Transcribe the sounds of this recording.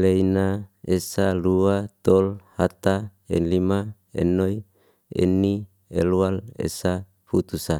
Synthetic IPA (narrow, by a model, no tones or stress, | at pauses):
leinaesaluat̪olhat̪aḛnlima | ḛnːoj | ḛnːi | ḛlualḛsa | fut̪usa